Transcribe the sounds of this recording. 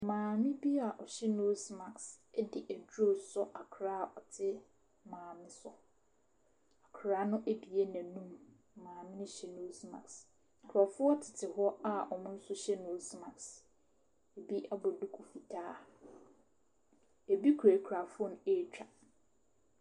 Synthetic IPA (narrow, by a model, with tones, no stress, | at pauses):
mãː˨mɪ̃˦bi˦a˨ʔɔ˨ɕɛ˦no˦sma˨ksɛ˦dɪ˨ʔæ˨d͡ʑᶣo˦˨sɔ˦ʔa˨kʰɾaː˦ɔ˨tʰɪ˦ | mãː˨mɪ̃˦sʊ˦ | a˨kʰɾaː˦nʊ̃˦ʔe˦bi˨e˦næ̃˨nũ˦m˨ | mãː˨mɪ̃˦nɪ̃˦ɕɛ˦no˦smã̰˨ks̩˨ | kʰɔ˨fʊ˦ɔ˦tʰɪ˨tʰɪ˨hʊ˦ɔ˦a˦ɔ˨mʊ̃˦n̩˦sʊ˦ɕɛ˦no˨˦smã˨ks | e˨bi˦ʔa˦bɔ˨du˦kʰu˨fi˨tʰaː˦ | e˨bi˦kʰe˨kʰɾa˨fɔ˦ñ˨e˦˨t͡ɕᶣa˨